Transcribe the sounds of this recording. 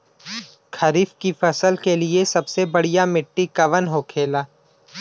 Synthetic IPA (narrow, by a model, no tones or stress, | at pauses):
kʰɐɾiːfkifɐsəlkeliesɐbsebɐɽijamɪʈːikɐʋənɦoːkʰeːlaː